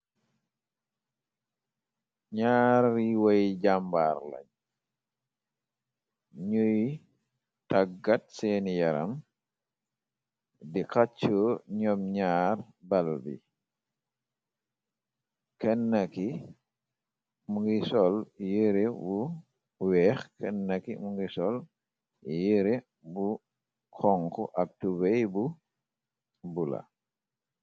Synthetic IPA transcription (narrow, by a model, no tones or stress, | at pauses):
ɲaːɾːiwɐjɟamba̰ːɾlɐ̰ɲ | ɲuj | tɐɡat̚seːnijɐɾɐ̰m | dikat͡ʃːuɲɔmɲaːr | bɐlbḭ | kɛnːɐki | muŋɡisɔljiɾebu | wɛːxkʰɛnːɐkimuŋɡisɔl | jiɾe | bu | kʰɔŋkɔʔɐk̚tubejbu | bula̰